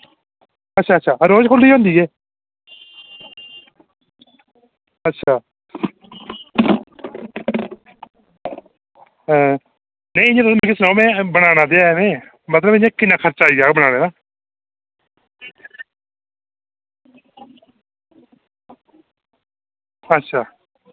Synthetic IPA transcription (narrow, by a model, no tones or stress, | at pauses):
ətːʃʰaːətːʃʰaːɾoːd͡ʒkʰʊlːiːɦõːnd̪iːɛː | ətːʃʰaː | ɦɛ̃ː | nẽĩɪ̃ɲãːt̪m̃ːkɪsnãːmɛ̃ːbənaːnaːd̪eːaɛmẽː | mət̪ləbɪ̃ɲãːkɪnːãːkʰəɾt͡ʃaːiːɡaːbəɽ̃aːneːnaː | ətːʃʰaː